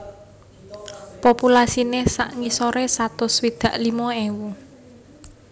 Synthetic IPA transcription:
populasinesaʔŋisoɾesat̪ʊswid̪̥ä̤ʔlimɔewu

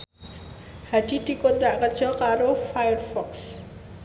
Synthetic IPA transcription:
haɖ̥i̤d̪̥i̤kont̪ɾaʔkə̥d͡ʒ̥ɔlkaɾofajərfɔks

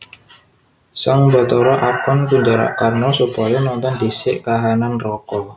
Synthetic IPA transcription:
saŋbɔt̪ɔɾɔʔapɔnɡuɲd͡ʒaɾa̰ʔkarnɔsupɔjɔnɔnt̪ɔndisɪʔkaɦananrɔkɔ

